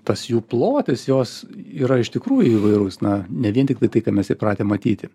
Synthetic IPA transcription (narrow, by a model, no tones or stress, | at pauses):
t̪ɐsjuːplˠoːt̪ʲɪsjoːsiːɾɐɪʃt̪ʲɪkɾuːjʊiʋɐɪɾʊsnɐnʲɛʋʲiɛnt̪ʲɪkt̪ɐɪt̪ɐɪkɑːmʲɛsjɛɪpɾɑːt̪ʲeːmːɐt̪ʲiːt̪ʲɪ